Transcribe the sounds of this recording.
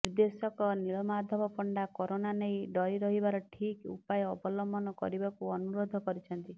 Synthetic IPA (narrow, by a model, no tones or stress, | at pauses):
niɾd̪esɔkɔniɭɔmad̪ʱɔbɔpɔɳɖakɔɾonanejɖɔiɾɔɦibaɾɔʈʰikṵpajɔːbɔlɔmbɔnɔkɔ̰ɾibakuɔnuɾod̪ʱɔkɔɾit͡ʃʰɔnt̪i